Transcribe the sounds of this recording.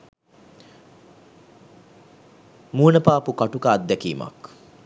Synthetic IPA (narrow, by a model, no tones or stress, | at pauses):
muːnəpaːpukaʈukaːd̪d̪ːɛkiːma̰k